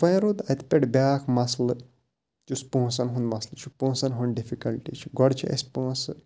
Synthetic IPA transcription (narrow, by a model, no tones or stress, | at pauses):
fɐjɾud̪ɐt̪pʲeʈbʲaːkʰmɐslɨ | t͡ʃuspũːsɐnɦũnd̪mɐslɨt͡ʃʰupũːsɐnɦunɖifikɐlʈit͡ʃʰi̥ɡɔɽt͡ʃʰiʔḛsʲpũsɨ